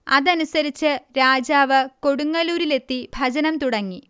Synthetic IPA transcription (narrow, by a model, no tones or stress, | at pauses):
ɐ̰ðɐnusɐɾit͡ɕːɨɾaːd͡ʑaːʋɨko̞ɽuŋːɐluːɾile̞t̪ːibʱɐd͡ʑɐnɐmt̪uɽɐŋːi